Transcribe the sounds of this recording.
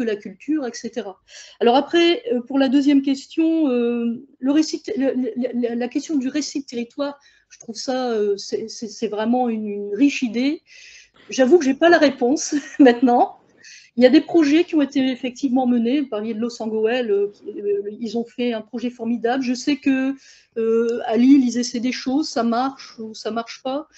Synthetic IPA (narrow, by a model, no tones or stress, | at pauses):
kəlakʲylt̪yʁɛkset̪eʁa | alɔʁapχɛøpuʁlad̪øzjɛmk̬ʲɛst̪jɔ̃øləʁesit̪ellllalakʲɛst̪jɔ̃d̪yʁesid̪ət̪eʁit̪waːʁ | ʒ̥ət̪χuvsaøsɛsɛsɛvʁɛmɑ̃ynnʁiʃid̪e | ʒavukəʒepalaʁepɔ̃smɛ̃t̪nɑ̃ | iljad̪epχɔʒɛkʲiɔ̃et̪eefɛk̚t̪ivmɑ̃mənevupaʁljed̪əlɔsɑ̃ɡɔɛløkʲilzɔ̃fɛɛ̃pχɔʒɛfɔʁmid̪ablʒəsɛkə | øalilizesɛd̪eʃozsamaʁʃusamaʁʃpa